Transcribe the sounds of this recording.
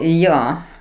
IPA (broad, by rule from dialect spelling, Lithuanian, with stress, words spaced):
ˈjoː